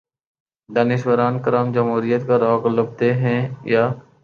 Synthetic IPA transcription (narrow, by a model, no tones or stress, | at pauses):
d̪aːnɪʃwəɾaːnkəɾaːmd͡ʒəmɦuːɾijət̪kaɾɔːkləb̚t̪eɦɛ̃jaː